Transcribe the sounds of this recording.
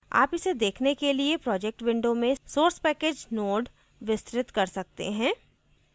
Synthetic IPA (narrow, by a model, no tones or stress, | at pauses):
a̰ːpɪsed̪eːkʰnekeliepɾɔːd͡ʒɛk̚ʈʋɪ̃ɳɖomẽsoːɾspɛːkeːd͡ʒnoːɖ | ʋɪst̪ɾɪt̪kɐɾsɐk̚t̪ḛɦɛ̃ː